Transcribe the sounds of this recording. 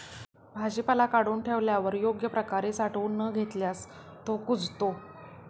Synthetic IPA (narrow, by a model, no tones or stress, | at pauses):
bʱad͡ʑipalakaɽuːɳʈʰeʋljaʋəɾjoɡjəpɾəkaɾesaʈuːnːəɡʱet̪ljas | t̪okud͡zʱt̪o